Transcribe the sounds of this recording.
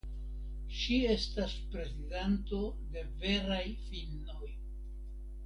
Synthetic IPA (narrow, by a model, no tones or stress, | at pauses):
ʃie̞staspɾe̞zidanto̞ | de̞ve̞ɾajfilno̞j